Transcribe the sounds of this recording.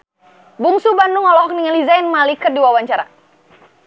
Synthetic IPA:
buŋsubanuŋɔlɔɦɔk̚niŋalizainmalikərdiwawaɲt͡ʃaɾa̰

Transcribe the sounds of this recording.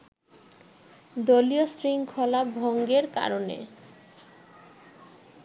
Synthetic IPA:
d̪oliosɾiŋkʰɔlabʱoŋɡeɾka̰ɾonḛ

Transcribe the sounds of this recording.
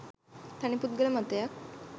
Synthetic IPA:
t̪añiput̪̚ɡəlmat̪jak

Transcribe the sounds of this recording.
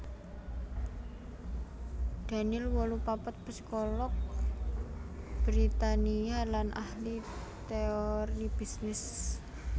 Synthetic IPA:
d̪̥a̤nilwɔlupapət̪̚b̥ə̤skɔlɔk̚ | b̥ɾit̪anialanʔahlit̪eɔɾib̥i̤snɪs

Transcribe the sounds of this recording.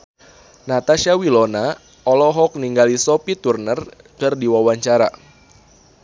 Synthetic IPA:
nat̪aʃawilɔna | ɔlɔɦɔk̚niŋɡalisɔpit̪urnər | kɨrdiwawaɲt͡ʃaɾa̰

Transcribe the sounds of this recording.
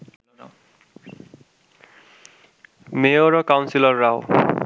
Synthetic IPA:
meoɹɔkawnsilɔɹːaʊ

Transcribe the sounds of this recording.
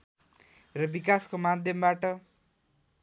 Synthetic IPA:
rʌbikaskomad̪ʱjʌmbaʈʌ

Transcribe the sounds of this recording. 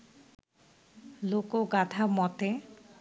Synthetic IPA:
lokoɡat̪ʰamɔt̪e

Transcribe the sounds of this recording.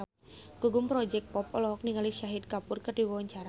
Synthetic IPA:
ɡ̥uɡʊmpɾɔd͡ʒɛk̚pɔp̚ɔlɔɦɔk̚niŋaliʃaɦɪt̪̚kapʊrkərd̥iwɔwɔɲt͡ʃaɾa

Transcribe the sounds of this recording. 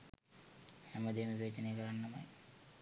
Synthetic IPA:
hɛməd̪emiʋeːt͡ʃənəjəkəɾanːɐmaj

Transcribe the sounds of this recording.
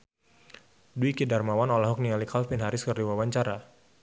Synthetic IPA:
duikidarmawanɔlaɦɔk̚nialikʰalfɪnɦaɾɪskɨrdiwawaɲt͡ʃaɾa

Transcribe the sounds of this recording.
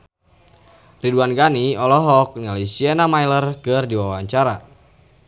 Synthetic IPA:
riduanɡaniɔlɔɦɔk̚nalisiɛnamajlərkɨrdiwawaɲt͡ʃaɾa

